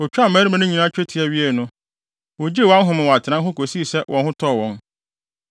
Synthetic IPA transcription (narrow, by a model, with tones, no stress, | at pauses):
o˨t͡ɕᶣa˦mæː˦ɾi˦mã˨˦nʊ̃˦ɲĩ˨nã˦t͡ɕᶣe˦tʰi˨ɛ˨ɥi˦e˨nʊ̃˦ | wo˨d͡ʑi˦e˦˨wã˦n˦ɦʊ̃˦mɪ̃˨wa˨tʰɪ˨nã˦ɦʊ̃˦ko˨si˦˨sɛ˦wʔɔ̃˨nhʊ̃˦tʰɔ˦˨wɔ̃˦n